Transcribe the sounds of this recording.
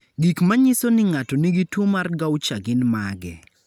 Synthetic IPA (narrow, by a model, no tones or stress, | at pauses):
ɡikmaɲɪsonɪŋatɔniɡɪtwomarɡawt͡ʃaɡɪnmaɡɛ̰